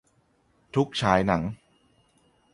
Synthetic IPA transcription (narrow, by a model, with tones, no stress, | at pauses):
t̪ʰu˦˥k̚t͡ɕʰaː˩˦˥jna˩˦ŋ